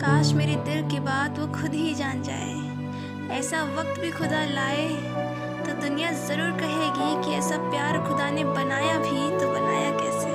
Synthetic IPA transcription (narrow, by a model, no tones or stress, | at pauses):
kaːʃmeːɾed̪ɪlkebaːd̪ʋoxʰʊd̪ɦid͡ʒaːnd͡ʒa̰ːḛ | ɛːsaʋɐk̚t̪bʱixʊd̪alaːe | t̪od̪ʊnijazɐɾuːɾkɐɦeːɡikiɛːsapjaːɾxʊd̪anebɐnaːjabʱit̪obɐnaːjakɛːseː